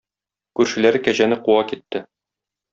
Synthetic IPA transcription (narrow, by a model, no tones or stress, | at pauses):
kʉɾʃɘ̆læɾɘkæʑænɘquwɑkit̪ːɘ